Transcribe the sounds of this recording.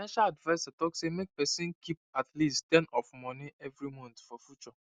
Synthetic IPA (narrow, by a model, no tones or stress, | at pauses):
fnãʃaladvaɪsatɔksemek̚pɛsĩnkʰip̚atlisttɛ̃nɔfmɔ̃niɛvɾimɔ̃ntfɔfjut͡ʃɔ